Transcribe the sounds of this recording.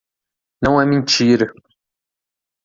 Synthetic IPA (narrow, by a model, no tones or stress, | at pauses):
nɐ̃w̃ɛmẽt͡ʃiɾɐ